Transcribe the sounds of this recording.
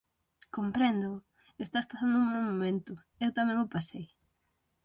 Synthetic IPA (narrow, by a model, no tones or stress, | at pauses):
kompɾɛnd̪ʊ | est̪aspasand̪ʊuŋmawmomẽnt̪ʊ | ewt̪amɛ̃ŋʊpasej